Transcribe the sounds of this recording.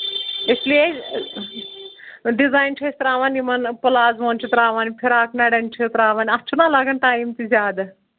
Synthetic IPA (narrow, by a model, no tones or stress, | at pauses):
eslie | ɖizaːjnʈʰesʲt̪ɾaːʋaːnʲimɐnpɨlaːzʋoːnʲt͡ʃʰit̪ɾaːʋaːnipʰiɾaːknɐɽenʈʰit̪ɾaːʋaːnʲɐt͡ʃʰunaːlaɡɐnʈaːjmt̪izʲaːd̪